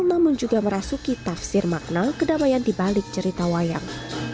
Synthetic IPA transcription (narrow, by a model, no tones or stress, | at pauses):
lnamʊnd͡ʒuɡaməɾasukit̪afsɪrmak̚nakədamajandibalɪk̚t͡ʃəɾit̪awaja̰ŋ